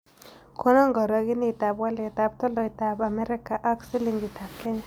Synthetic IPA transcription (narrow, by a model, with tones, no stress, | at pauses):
kʰɔ˦nɔ˦ŋɡɔ˨ɾɔ˨ɡɪ˦nɪ˦˨ta˨bwa˦lɛ˨ta˨p̚t̪ɔ˦lɔ˨i˨ta˨ba˨mɛ˦ɾɪ˦ka˨ʔa˦ksi˦li˨ŋɡi˨ta˨p̚kɛ˦ɲa˦